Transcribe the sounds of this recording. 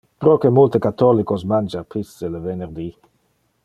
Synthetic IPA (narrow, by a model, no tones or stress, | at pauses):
pɾɔkemult̪əkat̪ːɔlikosmand͡ʒapisːələveneʁd̪i